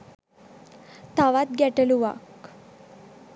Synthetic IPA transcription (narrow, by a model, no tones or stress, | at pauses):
t̪aʋat̪̚ɡjɛʈəluʋa̰k